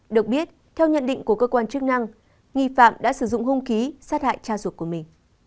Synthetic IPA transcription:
ɗɨ˨˩ək̚ɓi˦˥ət̚ | t̪ʰɛ˧wɲə̰˧˨nɗḭ˧˨ŋ̟ku˧˩əkəː˧kwaː˧nt͡ɕɨ˦˥k̚na˧ŋ | ŋi˧˨fa̰ː˧˨mɗa̰ː˧˥sɨ˧˩zʊ̰˧˨ŋ͡mhʊ˧ŋ͡mxi˨˦saː˦˥t̚ha̰ː˧˨jt͡ɕaː˧zwə˨˩t̚ku˧˩əmï˨˩ŋ̟

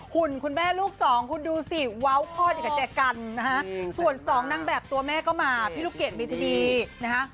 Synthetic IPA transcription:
hu˨˩nkʰu˧nmɛː˥˩luː˥˩k̚sɔː˩˦ŋkʰu˧nduː˧si˨˩wa˦˥wkʰɔː˥˩t̪iː˨˩ka˧˩t͡ɕɛː˧˩ka˧nːa˦˥kʰa˦˥ʔsu˨˩ənsɔː˩˦ŋna˧ŋbɛː˨˩p̚t̪u˧ɐmɛː˥˩kɔː˥˩maː˧pʰiː˥˩luː˦˥˩kːe˨˩t̪̚mi˧t̪ʰiː˦˧˩diː˧na˦˥kʰa˦˥ʔ

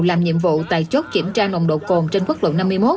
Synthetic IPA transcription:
laː˨˩mɲḭ˧˨əmvṵ˧˨t̪a̰ː˧˨jt͡ɕo˦˥t̚t͡ɕi˧˩ənt͡ɕaː˧no̰˧˨ŋ͡mɗo̰˧˨ko˨˩nt͡ɕe˧nkwə˦˥k̚lo̰˧˨wna˧mːɨ˧əjmo˦˥t̚

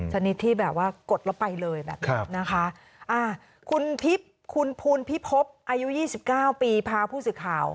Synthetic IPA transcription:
t͡ɕʰa˧ni˦˥t̪ʰːiː˥˩bɛː˨˩p̚waː˥˩ko˨˩t̪̚la˦˥wpa˧jlɤː˧jbɛ̰ː˨˩p̚ʰa˦na˦˥kʰa˦˥ʔ | ʔaː˧˩ | kʰu˧npʰi˦˥p̚ | kʰu˧npʰuː˧npʰi˦˥pʰːo˦˥p̚ʔaː˧ju˦˥ʔjiː˥˩si˨˩p̚kaː˥˩wpiː˧pʰaː˧pʰuː˥˩sɯː˨˩kʰaː˨˩w

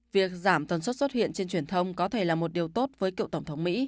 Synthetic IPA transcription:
vi˨˩ək̚zaː˧˩mt̪ə˨˩nswt̚sə˦˥t̚hḭ˧˨ənt͡ɕe˧nt͡ɕwi˧˩ənt̪ʰə˧wŋ͡mkɔ˨˦t̪ʰe˧˩laː˨˩mo˨˩t̚ɗi˨˩əwt̪o˦˥t̚vəː˨˦jkḭ˧˨wt̪ə˧˩wŋ͡mt̪ʰə˨˦wŋ͡mmḭ˧˥

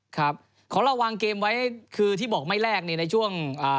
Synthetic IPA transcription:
kʰɾa˦˥p̚ | kʰɔː˩˦ɾa˧wa˧ŋkeː˧mwa˦˥jkʰɯː˧t̪ʰiː˥˩bɔː˨˩k̚ma˥˩jɾɛː˥˩k̚ni˥˩na˧jt͡ɕʰu˥˩əŋʔaː˨˩

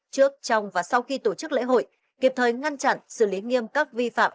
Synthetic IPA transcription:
t͡ɕɨ˦˥ək̚t͡ɕɔ˧wŋ͡mvaː˨˩sa˧wxi˧t̪o˧˩t͡ɕɨ˦˥k̚lḛ˧˥ɦo̰˧˨j | ki˨˩əp̚t̪ʰəː˨˩jŋa˧nt͡ɕa̰˧˨nsɨ˧˩li˨˦ŋi˧əmkaː˦˥k̚vi˧fa̰ː˧˨m

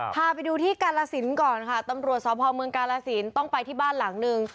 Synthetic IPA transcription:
pʰaː˧pa˧jduː˧t̪ʰiː˥˩kaː˧laː˧si˩˦nkɔː˨˩nkʰa˥˩t̪a˧mɾu˨˩ət̪̚sɔː˨˩˦pʰɔː˧mɯ˧əŋkaː˧laː˧si˩˦nt̪ɔ˥˩ŋpa˧jt̪ʰiː˥˩baː˥˩nla˩˦ŋnɯ˧ŋ

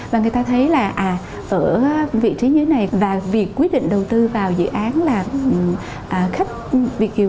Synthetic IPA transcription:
vaː˨˩ŋɨ˨˩əjt̪aː˧t̪ʰə˨˦jlaː˨˩ʔaː˨˩ | ʔəː˧˩vḭ˧˨t͡ɕi˨˦ɲɨ˧e˨˦na˨˩jvaː˨˩vi˨˩əkːwi˦˥ət̚ɗḭ˧˨ŋ̟ɗə˨˩wt̪ɨ˧vaː˨˩wzɨ̰˧˨ʔaː˨˦nlaː˨˩˨ | ʔaː˨˩xa˦˥jk̟̚vi˨˩ək̚ːi˨˩

